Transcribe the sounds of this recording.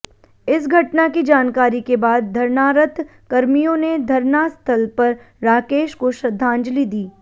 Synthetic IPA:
ɪsɡʱɐʈnakid͡ʒaːnkaːɾikebaːd̪̚ːʱɐɾnaːɾət̪ʰ | kɐɾmijõned̪ʱɐɾnast̪ʰəlpɐɾː | aːkeːʃkoʃɾɐd̪ʱːãːɲd͡ʒlid̪iː

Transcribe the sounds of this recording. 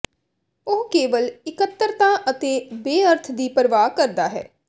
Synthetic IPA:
ʊɦkeːʋəlɪkət̪ːəɾt̪ãːʔət̪eːbeːəɾt̪ʰd̪iːpəɾʋaːkəɾd̪aːɦɛ̰ː

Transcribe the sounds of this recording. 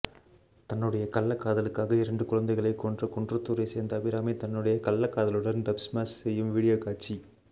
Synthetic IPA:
t̪ɐnːɯɽɐjɐkɐlːɐkːaːðɐlɯkːaːɣɐɪɾɐɳɖɯkʊɻɐnd̪ɐɪɣɐɭɐɪkːoːndrɐkɔɳdrɐt̪ːuːɾɐɪseːɾnd̪ɐʋɪɾaːmɐɪt̪ɐnːɯɽɐjɐkɐlːɐkːaːðɐlɯɽɐnbɐpsmaːssɛjːɯmʋiːɽɪjoːkaːʈ̚t͡ʃi

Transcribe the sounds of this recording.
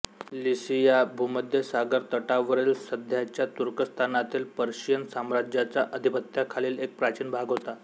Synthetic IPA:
lisijabʱuməd̪ʱjəsaɡəɾt̪əʈaʋəɾeːlsəd̪ʱjat͡ɕjat̪uɾkəst̪ʰanat̪iːlpəɾɕijənsamɾad͡ʑjat͡saʔəd̪ʱipət̪jakʰaliːlek̚pɾat͡ɕiːnbʱaɡɦot̪a

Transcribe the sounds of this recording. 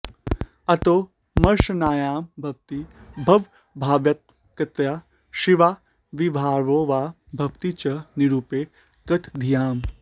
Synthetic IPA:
ɐt̪oː | mɐɾʃnaːjaːmbʱɐk̚t̪ibʱɐʋ | bʱaːʋjɐt̪̚ | kɐt̪jaː | ʃiʋaː | ʋibʱaːɾʋoːʋaː | bʱɐkt̪it͡ʃɐniɾuːpeː | kɐt̪ʰd̪ʱijaːm

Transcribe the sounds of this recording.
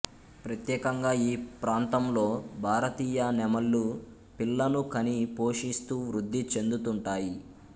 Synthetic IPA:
pɾɐt̪jɛːkɐŋɡaːiːpɾaːnt̪ɐmlo̞ːbʱaːɾɐt̪iːjɐnɛmɐlːu | pilːɐnukɐnipo̞ːʂist̪uːʋɾud̪ʱːit͡ʃe̞nd̪ut̪uɳʈaːji

